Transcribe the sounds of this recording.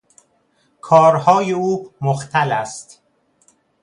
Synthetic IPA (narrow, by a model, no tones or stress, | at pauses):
kʰɒːɾhɒːjeuːmoxt̪ʰælæst̪